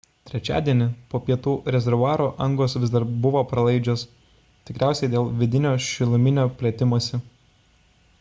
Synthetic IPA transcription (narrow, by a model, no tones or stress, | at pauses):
t̪ʲɾʲɛt͡ʃʲæ̰ːd̪ʲiɛnʲɪpoːpʲiɛt̪uːɾʲɛzʲɛɾʋʊɑːɾoːʔɐŋɡoːsʋʲɪzd̪ɐɾpbʊʋoːpɾɐlˠɐɪd͡ʒʲoːs | t̪ʲɪkɾʲæˑʊsʲɛɪd̪ʲeːlˠʋʲɪd̪ʲɪnʲoːʃʲɪlˠʊmʲɪnʲoːpʲlʲiɛt̪ʲɪmuɔsʲɪ